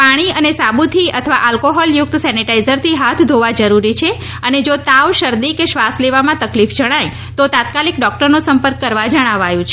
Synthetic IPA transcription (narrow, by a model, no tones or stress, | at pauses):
paɽ̃iənesabut̪ʰiət̪ʰəʋaʔalkoɦɔljʊk̚t̪sɛniʈaizəɾt̪ʰiɦat̪ʰd̪ʱoʋad͡ʒəɾuɾit͡ʃʰe | əned͡ʒot̪aʋʃəɾd̪ikeʃʋasleʋamãt̪əklifd͡ʒəɽ̃aj | t̪ot̪at̪kalik̚ɖɔk̚ʈəɾnosəmpəɾkːəɾʋad͡ʒəɽ̃aʋajũt͡ʃʰe